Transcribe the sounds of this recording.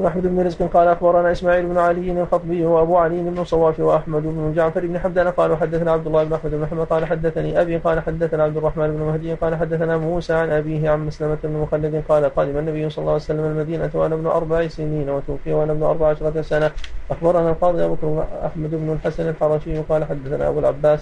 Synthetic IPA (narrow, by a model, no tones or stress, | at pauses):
nʔaħmad̪ɪbnʊɾɪzqɪnqɑːlaʔaxbɑɾˤɑnaːʔɪsmaːʕiːlɪbnʊʕalɪjːɪnalxɑt̪ˤbɪjːwaʔabuːʕalɪjːɪnɪbnʊsˤɑwːɑːfiwaʔaħmad̪ɪbnʊd͡ʒaʕlfaɾiːbnɪħabd̪anaqɑːlawħad̪ːaθanaːʕab̚d̪ʊlːaːhɪbnʊʔaħmad̪ɪbnʊħamːad̪̚qɑːlaħad̪ːaθaniːʔabiːqɑːlaħad̪ːaθanaːʕabd̪ʊrˤːɑħmaːnɪbnʊmahd̪ɪjːqɑːlaħad̪ːaθanamuːsaːʕanʔabiːɦɪʕanmaslamat̪bnʊmʊxalːɪd̪ɪnqɑːlaqɑːd̪ɪmanːabɪjːsˤɑlːɑlːwasalːamalmad̪iːnat̪wʔanabnʊʔɑ̰ɾˤbaʕisɪniːnwat̪uːfɪjːawaʔanabnʊʔɑ̰ɾˤbaʕaʃɑɾˤɑsanaʔaxbɑɾˤnalqɑːd̪ˤiʔabakɾʔa̰ħmad̪ɪbnʊlħasanalħɑɾˤɑːʃɪjːɪqɑːlaħad̪ːaθana̰ʔa̰bulʕa̰bːaːs